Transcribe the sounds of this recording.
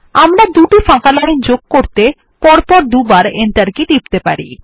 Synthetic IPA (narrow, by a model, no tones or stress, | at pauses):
amɾad̪uʈifãkalaind͡ʑoɡ̚koɾt̪e | pɔɾpɔɾd̪ubaɾent̪aɾkid̪ip̚t̪epa̰ɾi